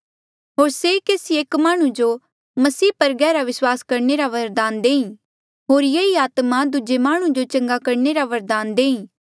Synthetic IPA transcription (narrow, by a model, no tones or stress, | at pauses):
ɦoːɾsekeːsieːkmaːɽ̃ũd͡ʒo | mɐsiːpɐɾɡɛːɾaʋɪswaːskɐɾneɾaʋɐɾd̪aːnd̪eːĩ | ɦoːɾjeiaːt̪mad̪ʊd͡ʒemaːɽ̃ũd͡ʒot͡ʃɐ̃ŋɡakɐɾneɾaʋɐɾd̪aːnd̪eːĩː